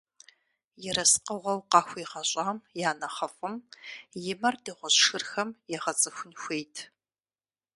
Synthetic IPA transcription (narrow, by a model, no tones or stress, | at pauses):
jɛɾɐsqəʁʷɔwqɑːxʷiːʁɐɕʼaːmjaːnɐχɐfʼɨmjɪmɐrdeːʁʷɔɕʂɨrxɐmjɛʁɐt͡sʼɨxʷʊnxʷeːjtʰ